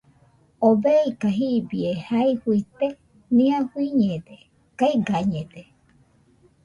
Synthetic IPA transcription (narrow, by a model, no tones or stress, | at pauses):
obeikaɦibiehaihuit̪e | nĩãhwiɲẽd̪e | kaiɡaɲẽd̪e